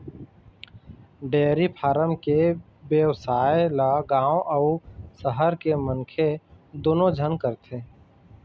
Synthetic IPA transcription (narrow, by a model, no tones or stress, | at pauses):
ɖeːɾipʰaːɾəmke | bjəwsaːjelaɡãːõʔəʊsəɦəɾkeməŋkʰe | d̪oːnõd͡ʒʱənkəɾt̪ʰeː